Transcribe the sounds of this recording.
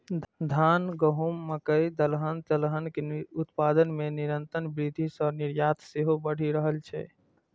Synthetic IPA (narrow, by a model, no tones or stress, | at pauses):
d̪ʱanɡəɦumːəkəid̪əlɦənt̪əlɦənkeut̪pad̪ənmeniɾənt̪ənbɾid̪ʱisəniɾjat̪ʰseɦobəɽ̤iɾəɦəlt͡ʃʰɛ̰